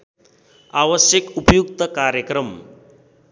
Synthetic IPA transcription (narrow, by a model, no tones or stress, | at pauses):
aʋəsjəkupjuk̚t̪əkaɾjəkɾəm